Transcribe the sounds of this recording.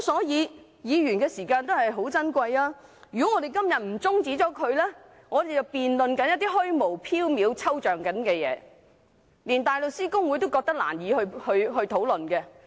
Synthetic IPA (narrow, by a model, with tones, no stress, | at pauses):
sɔː˨˥jiː˨˧ | jiː˨˧ɥyː˨˩nkɛː˧siː˨˩kaː˧nt̪hɐ˨jɦo˨˥wt͡sɐ˥nkʷɐ˧jaː˥ | jy˨˩kɔ˨˥ŋɔː˨˧d̪e˨jkɐ˥mjɐ˨t̚m̩˨˩t͡sʊ˥ŋt͡siː˨˥t͡sɔː˨˥kʰɵ˨˧ɥlɛː˥ | ŋɔː˨˧d̪e˨jt͡sɐ˨wpiː˨nlɵ˨nkɐ˨˥njɐ˥t̪̚ːiː˥ɦɵ˥ɥmo˨˩wpʰiː˥wmiː˨˧wt͡sʰɐ˥wt͡ʃœː˨˩ŋkɐ˨˥nkɛː˧jɛ̰ː˨˧˦ | liː˨˩nt̪aː˨jlo˨wsiː˥kʊ˥ŋwu˨˥jt̪o˥wkɔː˧k̚t̪ɐ˥k̚la̰ː˨˩njiː˨˧hɵ˧hɵ˧ɥɦɵ˧ɥt̪ʰo˨˥wlɵ˨nkɛ˧